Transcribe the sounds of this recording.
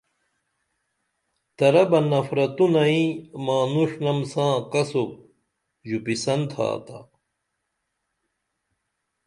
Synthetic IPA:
t̪ɐɾɐbɐnɐfɾɐt̪unɐĩmaːnuʂnɐmsãːkɐsok̚ | ʑupisɐnt̪ʰa̰ːt̪a̰

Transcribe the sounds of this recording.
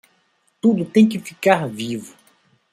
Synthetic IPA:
t̪ud̪ʊt̪ẽj̃kɪfikaɾvivʊ

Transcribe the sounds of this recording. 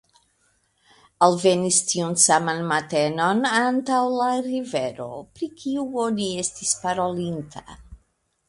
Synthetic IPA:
alve̞nistiunsamanmate̞no̞nantawlaɾive̞ɾo̞̰pɾikʰiuo̞nie̞stispaɾo̞lintʰa̰

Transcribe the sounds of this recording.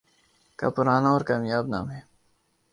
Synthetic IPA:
ka̰ːpʊɾaːnaɔːɾkaːmjaːbna̰ːmɦeː

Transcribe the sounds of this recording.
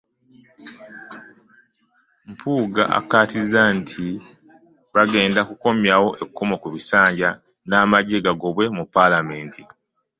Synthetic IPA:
mpʰuːɡa̰ʔa̰katizantʰi | βaɡe̞ːndakuko̞mjawo̞ʔe̞kukʰːomokuβisaːɲɟa | naːmaɟe̞ɡaɡo̞βwe̞mupːalame̞ːnti

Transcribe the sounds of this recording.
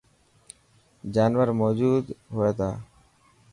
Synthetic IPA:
d͡ʒaːnʋəɾmoːd͡ʒuːd̪ɦoːeːt̪aː

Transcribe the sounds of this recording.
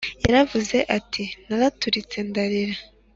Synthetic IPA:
jaɾavuze̞ʔatʰinaɾatuɾit͡se̞ndaɾiɾa

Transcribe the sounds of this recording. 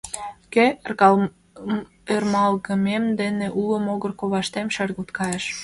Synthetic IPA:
ke | ermɑlɣəmemd̪eneʔuləmoɣərkoβɑʃt̪emʃɑɾɣut̪kɑjeʃ

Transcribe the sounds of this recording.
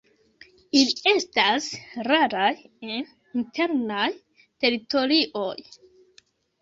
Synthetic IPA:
ilie̞stasraɾajen | intʰe̞ɾnaj | te̞ɾito̞ɾiʔo̞j

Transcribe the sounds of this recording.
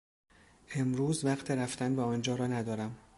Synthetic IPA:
ʔe̞mɾuːzvæqt̪ʰeɾæft̪ænbeɒːnd͡ʒɒːɾɒːnæd̪ɒːɾæm

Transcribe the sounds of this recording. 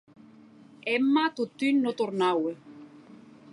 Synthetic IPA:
ɛmːat̪ut̪ynːot̪oɾnawe

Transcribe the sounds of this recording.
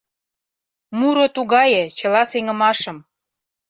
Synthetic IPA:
muɾot̪uɣɑjĕt͡ɕɤ̆lɑseŋə̆mɑʃə̆m

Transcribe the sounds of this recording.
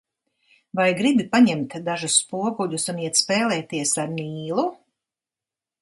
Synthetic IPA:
vajɡɾibipaɲɛmt̪d̪aʒusːpuɔɡuʎusuniɛt̪spɛːlˠɛːt̪iɛsaɾniːlˠu

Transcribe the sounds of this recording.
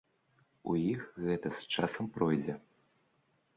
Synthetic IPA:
ujixɣɛt̪ɐst͡ʂasɐmpɾɔjd͡zʲɛ

